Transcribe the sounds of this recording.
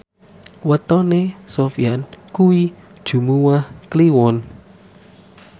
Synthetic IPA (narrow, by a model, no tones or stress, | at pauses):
wət̪ɔnesofiankuwid̥ʒ̥ṳmuwahkliwɔn